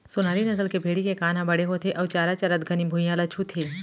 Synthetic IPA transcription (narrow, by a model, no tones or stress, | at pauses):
sʊnaːɾinɐsəlkebʱeːɽikekaːnãbɐɽeɦot̪ʰeʔɔːt͡ʃaːɾat͡ʃɐɾɐd̪ɡʱɐnibʱujaːlɐt͡ʃʰut̪ʰeː